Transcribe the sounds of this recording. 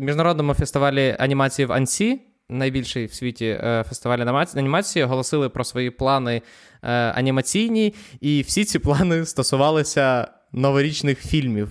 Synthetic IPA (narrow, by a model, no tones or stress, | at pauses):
mʲiʒnɐɾɔd̪nɔmʊfest̪ɪʋɑlʲiɐnʲimɑt͡sʲijiʋɐ̰nʲsʲi | nɐjbʲilʲʃɛjwsʲʋʲitʲifest̪ɪʋɑlʲiɐnʲimɑt͡sʲijiɔɦɔlˠɔsɪlˠɪpɾɔsʋɔjiplˠɑnɪ | ɐ̰nʲimɐt͡sʲijnʲiiwsʲit͡sʲiplˠɑnɪst̪ɔsʊʋɑlˠɪsʲɐ | nɔʋɔɾʲit͡ʃnɪxfʲilʲmʲiw